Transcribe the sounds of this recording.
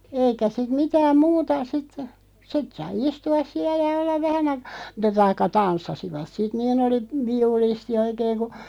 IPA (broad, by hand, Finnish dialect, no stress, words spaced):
eikæ sit mitæːm muːtɑ sit sit sɑi istuɑs siæ jɑ olːɑʋ ʋæhæn ɑikɑ̥ mutˑɑ tɑikːɑ tɑnsːɑsiʋɑt sit niːn oli ʋiulisti oikeːŋ ku